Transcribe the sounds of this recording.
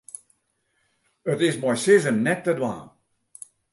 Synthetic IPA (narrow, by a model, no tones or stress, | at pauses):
ətɪzmajsɪzənːɛtːədwa̰ːn